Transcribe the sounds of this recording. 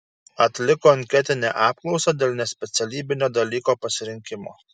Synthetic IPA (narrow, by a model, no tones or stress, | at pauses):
ɐt̪ʲlʲɪkoːɪnʲkʲɛt̪ʲɪnʲḛʔɑːp̚klˠɒʊsɐd̪ʲeːlˠʲnʲɛsʲpʲɛt̪sʲɛlʲiːbʲɪnʲoːd̪ɐlʲiːkoːpɐsʲɪɾʲɪŋʲkʲɪmo̰ː